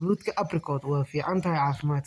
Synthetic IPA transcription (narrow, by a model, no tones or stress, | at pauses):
ɾuːd̪kʰɐʔɐbrɪkʰɔːd̪wɑːfiːʕɑnt̪ʰɐhɛjʕɑːfɪmaːt̪